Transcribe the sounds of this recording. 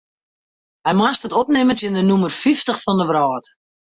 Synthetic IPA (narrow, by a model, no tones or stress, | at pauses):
hɛjmastətɔp̚nɪmətjɪndənumərfiftəχfɔndəbrɔːt